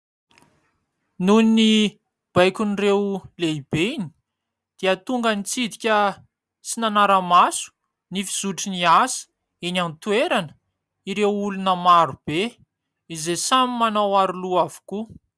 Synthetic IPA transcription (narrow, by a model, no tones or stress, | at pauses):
nunni | b̥ajkʲunirewleib̥eini̥ | d̪̥iət̪uŋɡənit͡sid̪ikʲə | t͡sinanaɾəmasu̥ | nifi̥z̥uʈ͡ʂiniasə̥ | enant̪uweɾanə̥ | iɾewulunəmaɾub̥e | izesamimanawaɾuluavu̥ku